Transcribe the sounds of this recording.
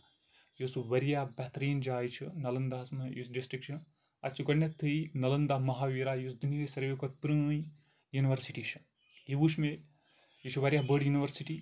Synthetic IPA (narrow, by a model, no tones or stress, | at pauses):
jusuʋɐɾjaːbɛt̪ɾiːnd͡ʒaːjt͡ʃʰɨnɐlɐnd̪aːɐsmɨjusɖisʈɾikt͡ʃʰɐ | ɐtt͡ʃʰuɡɐnːɐt̪ʰːɨinɐlɐnd̪aːɦmɐɦaːʋiːɾaːjusd̪uniɨsɐɾʋekot̪̚pɾɨ̃ːj | juniʋɐɾsiʈiːt͡ʃʰɨ̥ | jiʋuʃme | jit͡ʃʰuʋɐɾijabəɖjuniʋɐɾsiʈiː